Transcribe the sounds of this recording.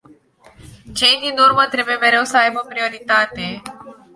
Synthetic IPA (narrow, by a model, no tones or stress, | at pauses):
t͡ʃe̞jd̪inurmət̪ɾe̞buje̞meɾe̞wsəajbopɾio̞ɾit̪at̪e̞